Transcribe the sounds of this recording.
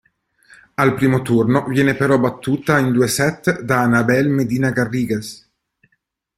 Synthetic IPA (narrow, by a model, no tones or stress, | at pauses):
alpɾiːmot̪urnovjɛːnepeɾɔbat̪ːuːt̪aind̪uesɛt̪ːd̪aːnabɛlmed̪iːnaɡarːiːɡes